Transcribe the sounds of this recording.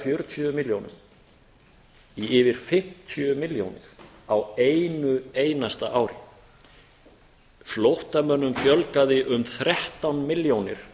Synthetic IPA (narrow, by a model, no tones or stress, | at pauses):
fjœɾʏt̪ʰœmɪljownʏ̰m | iɪːvɪɾ̥fɪm̥t̪ʰœmɪljo̰wnɪ̰ɾ̥ | aweːjnʏeːjnast̪aʔaːwɾɪ | flowht̪amœnːʏmfjœlkaðɪʔʏmθɾɛht̪awnmɪljownɪ̰ɾ̥